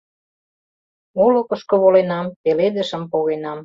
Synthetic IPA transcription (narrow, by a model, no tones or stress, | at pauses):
olŏkə̆ʃkŏβolenɑmpeled̪ə̆ʃə̆mpoɣenɑm